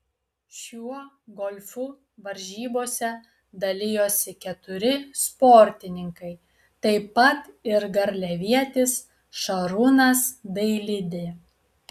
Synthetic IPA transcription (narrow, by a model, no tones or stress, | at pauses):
ʃʲuɔ | ɡɔlʲfʊ | ʋɐɾʲʒʲiːboːsʲɛ | d̪ɐlʲɪjoːsʲɪkʲɛt̪ʊɾʲɪspɔɾʲt̪ʲɪnʲɪŋkɐɪ | t̪ɐɪpːɐt̪ɪɾɡɐɾʲlʲɛʋʲiɛt̪ʲɪs | ʃɐɾunɐsd̪ɐɪlʲɪd̪ʲɪ